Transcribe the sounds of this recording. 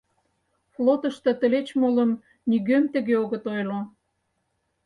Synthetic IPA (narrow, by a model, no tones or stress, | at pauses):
flot̪ə̆ʃt̪ə̆t̪ə̆let͡ɕmoləm | niɣømt̪ə̆ɣeoɣə̆t̪ojlo